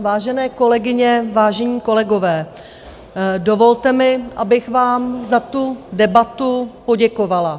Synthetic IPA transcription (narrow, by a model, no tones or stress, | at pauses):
vaːʒɛnɛːko̞lɛɡɪɲɛvaːʒɛɲiːko̞lɛɡo̞vɛː | do̞vo̞lt̪ɛmɪʔabɪxvaːmzat̪udɛbat̪upo̞ɟɛko̞vala